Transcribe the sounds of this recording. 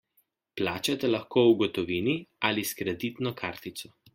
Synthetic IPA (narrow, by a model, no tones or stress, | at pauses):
plaːt͡ʃat̪ɛlɐxkoːuɡɔt̪ɔʋiːniʔaliskɾɛd̪it̪nɔkʰaɾt̪it̪sɔ